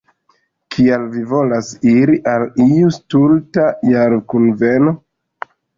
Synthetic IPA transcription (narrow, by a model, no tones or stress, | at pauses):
kʰialvivo̞lasiɾiʔalijustultajaɾkunve̞no̞